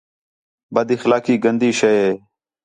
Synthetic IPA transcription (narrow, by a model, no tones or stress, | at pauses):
bəd̪ɪxlaːkiːɡənd̪iːʃəjeː